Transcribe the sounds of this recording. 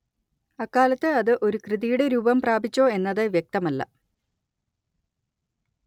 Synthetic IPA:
ɐkːaːlɐt̪ːɨɐðɨʔo̞ɾukrɨðijuɽe̞ɾuːbɐmpraːbʱit͡ɕːo̞ːe̞nːɐðɨʋjek̚t̪ɐmɐlːɐ̰

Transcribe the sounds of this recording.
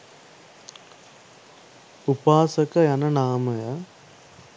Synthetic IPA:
upaːsɐkɐjɐnɐnaːmɐjɐ

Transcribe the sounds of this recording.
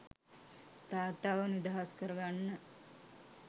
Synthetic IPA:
t̪aːt̪aːʋənid̪aɦaskəɾəɡanːə

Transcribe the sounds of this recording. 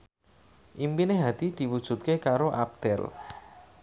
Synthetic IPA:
ʔimpineɦat̪id̪̥i̤wud̥ʒ̥ṳt̪̚kekaɾoʔap̚d̪̥ɛl

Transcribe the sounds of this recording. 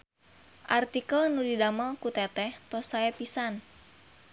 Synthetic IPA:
ʔart̪ikəlnudidamalkut̪ɛt̪ɛht̪ɔsaɛpisan

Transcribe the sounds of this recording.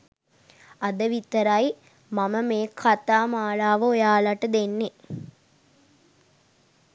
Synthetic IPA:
ad̪əʋit̪əɾaj | maməmeːkʰat̪aːmaːlaːʋəojaːlaʈəd̪enːe

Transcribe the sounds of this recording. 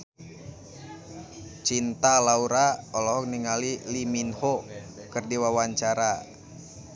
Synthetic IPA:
t͡ʃint̪alauɾaɔlɔɦɔkniŋaliliminhɔkərdiwawaɲt͡ʃaɾa

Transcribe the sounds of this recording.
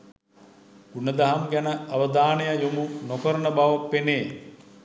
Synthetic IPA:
unəd̪aɦamɡænəaʋəd̪aːnejajumunokəɾənəbaʋapːeneː

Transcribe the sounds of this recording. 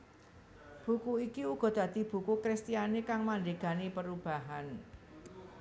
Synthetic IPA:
b̥ukuikiuɡ̥ɔ̤d̪̥ä̤d̪̥i̤b̥ṳkukɾist̪ianekaŋmandeɡ̥anepəɾub̥a̤ɦan

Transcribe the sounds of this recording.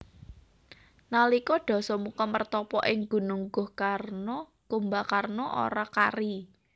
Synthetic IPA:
nalikɔɖ̥ɔ̤sɔmukamərt̪ɔpɔʔɪŋɡ̥ṳnuŋɡʊhkarnɔ | ɡ̥ombakarnɔʔo̰ɾakari

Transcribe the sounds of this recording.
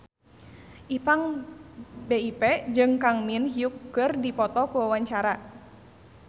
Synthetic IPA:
ʔipaŋ | beipɛd͡ʒɨŋkaŋminɦiukːɨrdipɔt̪ɔkuwawaɲt͡ʃaɾa

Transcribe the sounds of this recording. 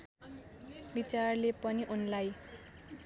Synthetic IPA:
bit͡sarlepʌniʔunlaj

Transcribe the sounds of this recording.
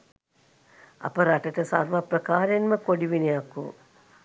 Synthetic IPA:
a̰pəɾaʈəʈəsa̰ɾʋaprəkaːɾenməkoɖiʋinejakːṵ

